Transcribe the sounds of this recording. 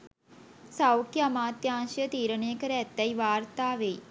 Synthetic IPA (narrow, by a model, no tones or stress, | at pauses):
sawkjɐmaːt̪jãːnʃjət̪iːɾəneːkəɾɛːt̪ːɐiʋaːɾt̪aːʋei